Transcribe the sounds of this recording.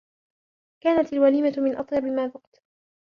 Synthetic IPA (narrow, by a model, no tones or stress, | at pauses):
kaːnat̪alwaliːmat̪mɪnʔɑt̪ˤjɑbɪlmaːbʊqt̪